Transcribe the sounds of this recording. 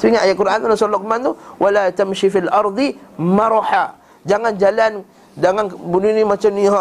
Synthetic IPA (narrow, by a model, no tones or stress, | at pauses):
siŋaajat̪̚kuɾʔananasɔlɔk̚mant̪uwʔalat̪amʃifilʔɑɾˤd̪ˤimaɾoħa | d͡ʒaŋand͡ʒalan | daŋanbununimat͡ʃamniɦ